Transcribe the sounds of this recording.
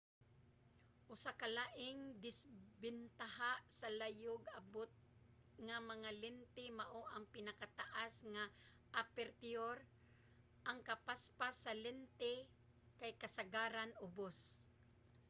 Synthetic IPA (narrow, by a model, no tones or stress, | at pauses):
ʔʊsakɐlaʔɪŋd̪ɪsbɪnt̪aɦaʔsɐlajoɡɐbot̪̚ | ŋamɐŋalɛnt̪ɪmaʔoʔɐŋpɪnakat̪aʔasŋa | ʔapɛɾt̪ɪoɾ | ʔɐŋkɐpaspasɐlɛnt̪ɛ | kajkɐsaɡaːɾanʊbos